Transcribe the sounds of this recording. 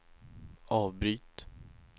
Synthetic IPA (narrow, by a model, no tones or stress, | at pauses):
ɑːvbɾyːt̪